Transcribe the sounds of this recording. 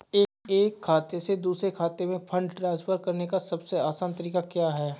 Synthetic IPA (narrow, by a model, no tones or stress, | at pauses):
eːkeːkʰːaːt̪esed̪uːsɾekʰaːt̪emẽpʰɐ̃ɳɖʈɾãːnspʰəɾkɐɾnekasɐbseaːsãːnt̪ɐɾiːkakjaːɦɛː